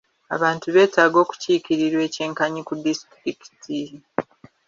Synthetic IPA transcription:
a̰βaːntuβe̞ːtaːɡo̞ːku̥ciːkiɾiɾwe̞ːce̞ːŋkaɲikudistɾiki̥ti

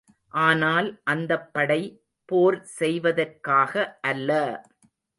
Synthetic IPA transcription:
ʔaːnaːlʔɐnd̪ɐpːɐɽɐɪ | poːɾsɛjʋɐðɐrkaːɣɐʔɐlːɐ

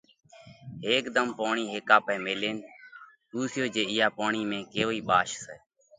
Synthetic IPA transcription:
ɦeːkd̪əmpaːɳiːɦeːkaːpɛːmeːleːn | ɗ̪uːsɪjoːd͡ʒeːɪjaːpaːɳiːmẽːkeːoːiːɓaːʃsɛː

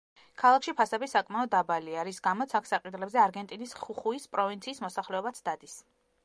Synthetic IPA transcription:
kʰalˠakʰʃipʰasɛbisakʼmaɔd̪ːabaliaɾisɡamɔt̪sʰakʰsaqʼid̪lɛbzɛaɾɡɛnt̪ʼinisχuχuispʼɾɔvint̪sʰiːsmɔsaχlɛɔbat̪sʰd̪ad̪is

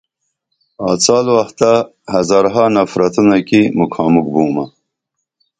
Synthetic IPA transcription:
ɑːt͡sɑːlwaxt̪a | hɐzɑːɾɦɑnafɾat̪unakimukʰɑːmuk̚buːma

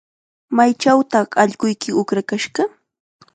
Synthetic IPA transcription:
majt͡ʃawt̪ɑχɑʎɢʊjkɪʊkɾakaʃɢɑ

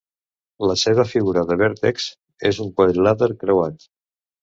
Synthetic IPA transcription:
ləseβəfiɣuɾəðəβeɾt̪eks | ezuŋpelaðəɾkɾəwat̪

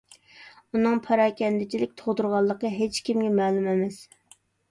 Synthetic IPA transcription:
unɨŋpʰɑɾɑːkʲɛnd̪ɪt͡ʃʰilɪk̚ʲt̪ʰoʁd̪uɾʁɑlˠːəqəɦet͡ʃkʲimɡʲɛmɛːlˠumɛmɪs

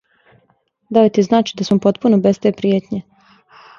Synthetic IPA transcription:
d̪aojt̪iznaːt͡ʃid̪asmopo̞t̪punobest̪e̞pɾijet̪ɲe

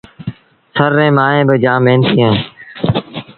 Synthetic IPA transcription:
səɾːẽːmaːɦẽːbəd͡ʒãːmeːnt̪ʰiːẽː

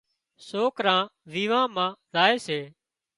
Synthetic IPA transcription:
soːkɾãːʋiːʋãːmãːzaːeːseː

